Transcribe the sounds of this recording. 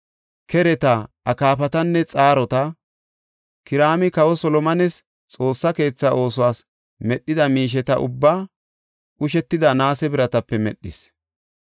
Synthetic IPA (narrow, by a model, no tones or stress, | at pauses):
kɛɾɛt̪ɐ | ɐkaːfɐt̪ɐnːɛt͡sʼaːɾɔt̪ɐ | kɪɾaːmɪkɐwɔsɔlɔmɐnɛs | t͡sʼo̞ːsːɐke̞ːt͡sːɐʔo̞ːsʊwaːs | mɛɗːɪd̪ɐmiːʃ̬ɛt̪ɐ̰ʔʊ̰bːaː | ʊʃɛt̪ːɪd̪ɐnaːsɛbɪɾɐt̪ɐpːɛmɛ̰ɗːɪ̰s